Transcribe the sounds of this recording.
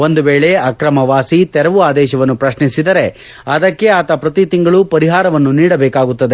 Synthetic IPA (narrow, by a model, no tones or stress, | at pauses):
o̞nd̪uʋeːɭe̞ɐkɾɐmɐʋaːsit̪ɛɾɐʋuaːd̪ɛːʃɐʋɐnːupɾɐʃnisid̪ɐɾe̞ | ɐd̪ɐkːe̞aːt̪ɐpɾɐt̪it̪iŋɡɐɭupɐɾiɦaːɾɐʋɐnːuniːɽɐbɛːkaːɡut̪ːɐd̪e